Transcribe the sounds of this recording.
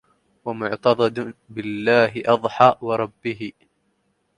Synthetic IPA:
wamʊʕt̪ɑd̪ˤɑd̪bɪlːaːɦɪʔɑðˤħɑːwɑɾˤɑbːɪɦɪ

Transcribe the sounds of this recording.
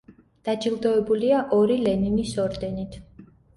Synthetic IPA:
d̪̥ad͡ʒilˠd̪ɔɛbuliaʔɔɾilɛninisɔɾd̪ɛnit̪ʰ

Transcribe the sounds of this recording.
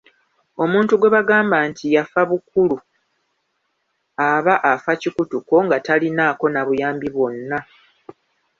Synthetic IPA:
o̞mũːntuɡwe̞βaɡaːmbaːntijafaβukulu | aβaʔafacikutuko̞ŋɡatalinaːko̞naβujaːmbiβwo̞nːa

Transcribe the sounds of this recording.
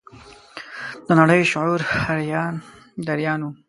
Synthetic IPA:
d̪ənaɽəjoʃʊʕuɾhaɾjɑn | d̪aɾjɑːnu

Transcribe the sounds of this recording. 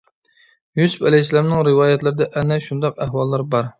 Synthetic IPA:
jyspælɪslæmnɪŋɾɨwɑːjɛt̪lɪɾɪd̪ɛʔɛnɛʃund̪ɑqæhwɑlˠːɑɾbɑɾ

